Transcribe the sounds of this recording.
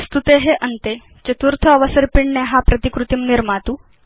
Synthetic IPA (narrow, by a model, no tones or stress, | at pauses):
st̪ut̪eɦeʔənt̪e | t͡ɕət̪uɾt̪ʰəːʋəsəɾpiɳɳeɦapɾət̪ikɾut̪iːmniɾmat̪uː